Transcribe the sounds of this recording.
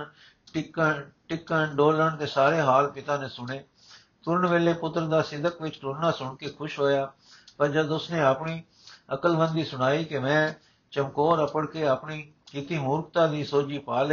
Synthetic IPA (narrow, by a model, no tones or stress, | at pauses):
ʈɪkəʈɪkːənɖoːləɳt̪eːsaːɾeːɦaːlpɪt̪aːneːsʊɳeː | p̪ʊɾəɳʋeːleːpʊt̪ːɾəd̪aːsɪd̪əkʋɪt͡ʃʈʊnãːsʊɳkeːkʰʊʃɦoːjaː | pəɾd͡ʒəd̪ʊsnẽːəpɳiː | əkəlʋə̃nd̪iːsʊɽ̃aːiːkemɛ̃ː | t͡ʃəmkoːɾəpəɽkeːəpɳiː | kɪt̪iːmuːɾkt̪ãːd̪iːsoːd͡ʒiːpaːl